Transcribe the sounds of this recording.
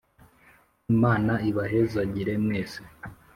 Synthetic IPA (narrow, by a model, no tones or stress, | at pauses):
imaːnaiβaɦezaɟiɾe̞mŋeːse̥